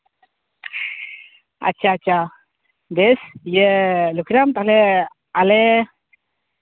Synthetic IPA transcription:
a̰t͡ʃʰaːt͡ʃʰa | d̪ɛsjəlukʰiɾamt̪alɛ | alɛ

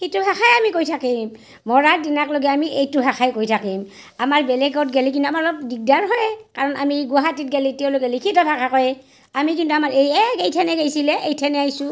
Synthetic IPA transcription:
xituɦakʰajamikojtʰakim | mɔɹadinakloɡɛamiʔejtʊɦaxʰajkojtʰakim | amaɹbɛlɛɡɔtɡelikintuamaɹlɔkdiɡ̚daɹɦɔjkaɹɔna̰miɡʊaɦatit̚ɡelitɛʊ̃lokɛlikʰitɔbʱakʰakɔj | amikintuamaɹejɛkejtʰɛnɛɡajsilɛʔejtʰɛnɛajsʊ

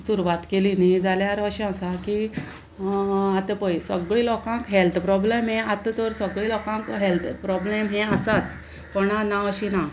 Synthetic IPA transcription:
suɾuʋat̪kelinid͡zaljaɾəɕiə̃saki | at̪əpəjsəɡɭiːlɔkãŋkɦelt̪ʰpɾɔblemɦẽat̪ət̪ɔɾsəɡɭiːlɔkãŋkɦelt̪ʰpɾɔblemɦẽəsat͡s | pɔnanaəɕina

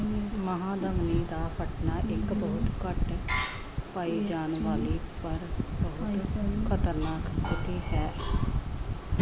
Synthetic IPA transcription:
məɦãːd̪əŋɡniːd̪aːpʰəʈnaːʔɪkbəːʊt̪kəʈ | paːiːd͡ʒaːnʋaːliːpəɾbəɦʊt̪kʰət̪əɾnaːkst̪ɪt̪iːɦɛː

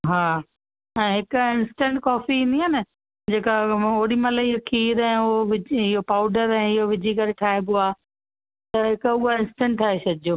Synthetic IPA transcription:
ɦaː | ɛ̃ːɦɪkʊɪ̃nsʈɛ̃ɳʈkɔːfiĩːnd̪iɦaːnɪ | d͡ʑeːkaoːɗimɐlaɪɦokʰiːɾɛ̃ːoʋɪd͡ʑɪɦopaːʊɖəɾɛ̃ːɪɦoʋɪd͡ʑʱikɐɾeʈʰaːɦeboaː | t̪ɐɦɪkʊɦaɪ̃nsʈɛ̃ɳʈt̪ʰaːɦesɐd̪ʱɪoː

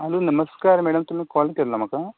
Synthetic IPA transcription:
ɐlunɐmɐskaːɾmeːɽɐmt̪umːekaːlkeɾlɐmɐka

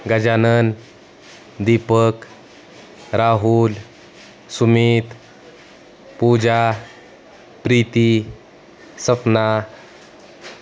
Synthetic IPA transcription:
ɡəd͡ʑanən | d̪ipək | ɾaɦul | sumiːt̪ | pud͡ʑa | pɾiːt̪i | səpna

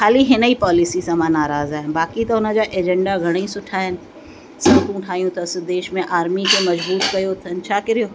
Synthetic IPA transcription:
xaːliɦɪnəipaːlɪsisãːmãnaːɾaːzaːɦɪnbaːkit̪ɐʊnə̆d͡ʑaːʔeːd͡ʑɛ̃ɳɖaɡʱɐɽ̃isʊʈʰaːɦɪnɪ̆ | sɐt̪ũːʈʰaːijũt̪ʰɐsɪd̪eːʃmẽʔaːɾmikʰemɐd͡ʑbuːt̪kɐjot̪ʰɐn̆t͡ɕʰaːkɪɾijoː

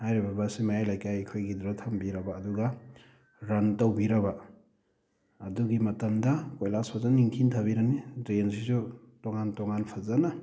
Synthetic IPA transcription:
hajɾibɐbasimajajlajkajkʰojɡidɾatʰɐmbiɾɐbaːduɡɐ | ɾɐntɐwbiɾɐba | ɐduɡimɐtɐmdɐkojlasazaniŋkʰintʰabiɾɐnidɾens̬isu | tɔŋantɔŋanpʰɐzɐnɐ

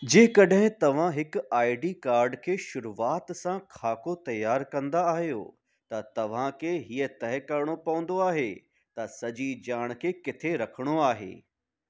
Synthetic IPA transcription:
d͡ʑẽːkɐɗɦɪ̃t̪ɐʋ̤ãɦɪkaːiɖikaːɾɖkʰeːʃʊɾuaːt̪sãkʰaːkot̪ɐjaːɾkɐ̃nd̪aːɦijo̰ | t̪ɐt̪ɐʋ̤ãkʰeɦiːət̪ɐɦɪkɐɾɽ̃opɐʋə̃n̆d̪oaːɦe | t̪ɐsɐd͡ʑid͡ʑaːɽ̃kʰeːkɪt̪ʰeɾɐkʰəɽ̃oaːɦḛː

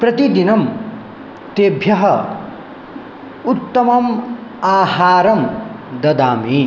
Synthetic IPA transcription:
prɐt̪id̪inɐm | t̪eːbʱjɐɦʌ | ut̪ːɐmɐmaːhaːɾɐmd̪ʌd̪aːmi

